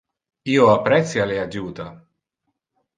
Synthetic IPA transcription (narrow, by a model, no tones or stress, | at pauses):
iːoapːɾɛt̪sjalead͡ʒuːt̪a